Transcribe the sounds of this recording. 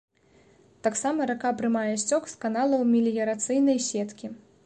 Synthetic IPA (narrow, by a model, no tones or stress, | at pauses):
t̪aksamɐɾakapɾɨmajɛsʲt͡sʲɔkskanalˠɐwmʲilʲjɐɾat̪sɨjnɐjsʲɛt̪kʲi